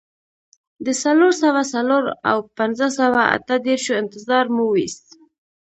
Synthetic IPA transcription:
d̪əsaloɾsawasaloɾa̰wpanzəsawaa̰t̪əd̪eɾʃoɪnt̪ɪzɑɾmuwist̪

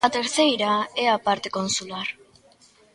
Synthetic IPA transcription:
at̪e̞ɾθe̞jɾaeapaɾt̪e̞ko̞nsulaɾ

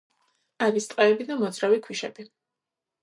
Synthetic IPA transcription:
aɾist̪ʼqʼɛːbid̪amɔd̪zɾavikʰwiʃɛ̰bi

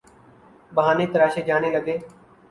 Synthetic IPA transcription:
bəɦaːneːt̪əɾaːʃeːd͡ʒaːneːləɡeː

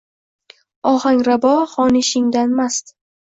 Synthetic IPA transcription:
ɒhaŋɾabɒχɒnɪʃɪŋd̪anmast̪

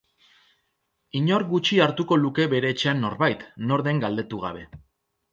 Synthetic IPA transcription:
iɲo̞ɾɡut͡ʃiaɾt̪uko̞luke̞βe̞ɾe̞ːt͡ʃe̞anːo̞ɾβajt̪no̞ɾðe̞ŋɡald̪e̞t̪uɣ̞a̰β̞e̞

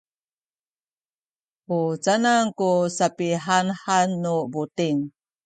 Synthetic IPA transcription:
ʔut͡sanaŋkusapiɦanhanːubutiŋ

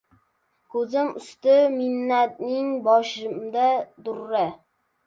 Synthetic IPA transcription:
kʰɵzɪmʊst̪ɪmɪnːat̪̚nɪŋbɒʃɪmd̪ad̪ʊɾːa

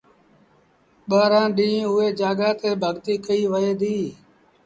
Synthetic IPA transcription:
ɓaːɾãːɗĩːʊeːd͡ʒaːɡaːt̪eːbʱəɠt̪iːkəiːʋəeːd̪iː

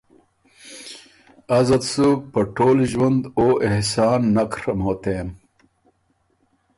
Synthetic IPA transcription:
ɐzɐt̪suk̚pɐʈoːliʑwɐnd̪oːʔehsaːnːɐkɾɐmɦoːt̪eːm

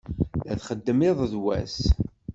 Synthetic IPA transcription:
æθχəd̪ːəmɪðˤðwæ̰s

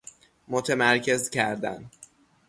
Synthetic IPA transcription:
mot̪ʰemæɾcʰe̞zcʰæɾd̪æ̰n

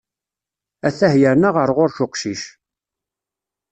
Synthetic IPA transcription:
æθæhjəɾnaʁəɾʁʊɾçʊqʃiʃ

